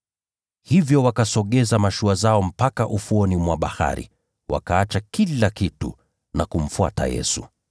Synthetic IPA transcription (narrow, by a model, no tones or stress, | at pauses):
hivjɔwakasɔɠɛzamaʃuazaɔm̩pakaʔufuɔnimwaɓaha̰ɾḭ | wʔa̰kaat͡ʃakilakitṵ | nakum̩fua̰ta̰jɛ̰su